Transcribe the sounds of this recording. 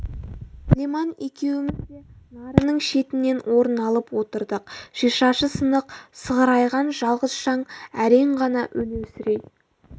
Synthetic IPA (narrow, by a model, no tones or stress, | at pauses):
lemɑne̞kʲe̞wɪmɪzd̪e̞nɑɾənəɴʃe̞t̪ɪnːe̞nwʔo̞ɾənɑlˠəpwo̞t̪əɾd̪əq̚ʒ̥iʃɑʃəsənəqsəʁəɾɑjʁɑnʒɑlˠʁəzʃɑɴæɾe̞ɴʁɑnɑʔɵnesɪɾe̞j̪